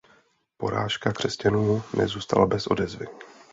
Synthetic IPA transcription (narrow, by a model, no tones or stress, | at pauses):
po̞̰ɾa̰ːʃkakr̝̥ɛscanuːnɛ̰zuːst̪a̰labɛsʔo̞̰dɛzvɪ